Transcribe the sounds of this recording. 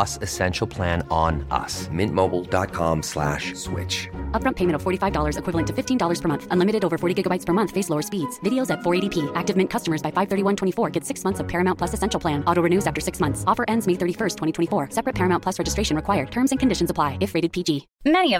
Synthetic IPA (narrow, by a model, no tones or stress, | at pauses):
ʌsɨsɛ̃nʃl̩ˠpʰl̥æ̃nə̃nʌ̰smɪ̃nʔmoʊbl̩ˠdɑ̰t̚kʰɑ̰̃mslæ̰ʃswɪ̰t͡ʃʌp̚ɹʌ̃mpʰeɪ̃m̃tʌv̥fɔɹɾifaɪvdɔlˠə˞zɨkʰw̥ɪvl̩ˠə̃ntʰɨfɪftʰĩndɔlˠə˞z̥pʰə˞mʌ̃nθʔə̃nlɪmɨɾɨɾoʊvə˞fɔɹɾiɡɪɡəbaɪtspʰə˞mʌ̃nθfeɪsloʊə˞spidz̥vɪɾioʊzɨtfɔɹeɪɾipʰiæk̚tɨvmɪ̃nkʰʌstəmə˞zbaɪfaɪv̥θɜ˞ɾiwʌ̃ntʰɛ̃ifɔɹɡɛtsɪksmʌ̃nθsʌv̥pʰɛɹɨmãʊntpl̥ʌsɨsɛ̃nʃl̩ˠpʰl̥æ̃nɔɾoʊɹɨnʉzæftə˞sɪksmʌ̃nθsɔfə˞ʔɛ̃ndzmeɪθɜ˞ɾifɜ˞stʰwɛ̃ɾ̃itʰwɛ̃ifɔɹsɛpɹɨt̚pʰɛɹɨmãʊ̃npʰlʌsɹɛd͡ʒɨstɹeɪʃɨ̃nɹɨkʰwaɪə˞d̚tʰɜ̃˞mzɨ̃nkɨ̃ndɪʃɨ̃nzəpʰl̥aɪɨfɹeɪɾɨd̚pʰid͡ʒi | mɛniʌ